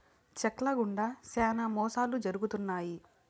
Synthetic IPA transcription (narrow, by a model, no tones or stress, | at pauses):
t͡ʃɐklɐɡuɳɖɐsɛːnamɔːsaːlud͡ʒɐɾuɡut̪unːaːji